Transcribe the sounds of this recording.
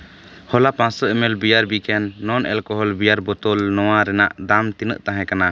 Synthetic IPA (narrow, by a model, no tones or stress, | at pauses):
hɔlapãssɔɛmɛlbijaɾbikɛnːɔnɛlkɔɦɔlbijaɾbɔt̪ɔlnɔwaɾɛnaʔd̪amt̪inə̰ʔt̪ãɦɛ̃kana